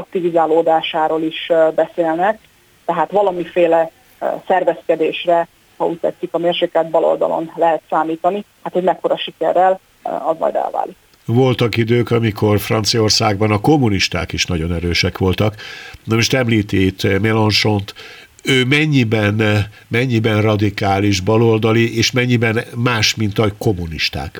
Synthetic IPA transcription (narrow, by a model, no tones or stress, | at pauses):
ɒk̚t̪ivizaːloːd̪aːʃaːɾoːliʃbɛseːlnɛk̚ | t̪ɛɦaːt̪ʋɒlɒmifeːlɛ | sɛrvɛskɛd̪eːʃrɛ | hɒuc̚ʲt̪ːɛ̰t̪sikɒmeːrʃeːkɛld̪̚bɒlo̞̰ld̪ɒ̰lo̞̰nlɛɦɛt̪saːmiːt̪ɒnihat̪hoɟmɛkːo̞ɾɒʃikɛrːɛl | ɒzmɒ̰jd̪ɛ̰lva̰ːlik | vo̞lt̪ɒkid̪øːkɒmiko̞rfrɒ̰nt̪sijɒo̞rsaːɡ̚bɒnɒko̞mːuniʃt̪a̰ːkiʃnɒɟo̞nɛɾøːʃɛkʋo̞lt̪ɒknɒmuʃt̪ɛmliːt̪eːt̪mɛlonʃo̞nt̪ | øːmɛɲːibɛn | mɛɲːibɛnrɒd̪ikaːliʒbɒlo̞ld̪ɒliʔeːʃmɛɲːibɛnmaːʃmint̪ɒko̞muniʃt̪a̰ːk